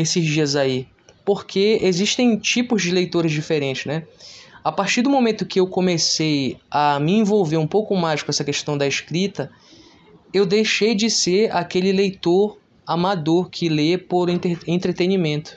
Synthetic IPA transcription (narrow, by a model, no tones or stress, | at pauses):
esɪzd͡ʒiɐzai | poɾkʰeeziʃt̪ẽj̃t͡ʃipʊzd͡ʒɪlejt̪oɾɪzd͡ʒifeɾẽnt͡ʃɪznɛapaχt͡ʃiɾd̪ʊmõmẽnt̪ʊkɪewkõmesejɐmɪẽvowveɾũpowkʊmajskõɛsɐkeʃt̪ɐ̃w̃d̪ɐeʃkɾit̪ɐ | ewd̪ejʃejd͡ʒɪseɾakelɪlejt̪oɾ | amad̪oɾkʰɪlepoɾẽt̪eẽnt̪ɾet̪enimẽnt̪ʊ̥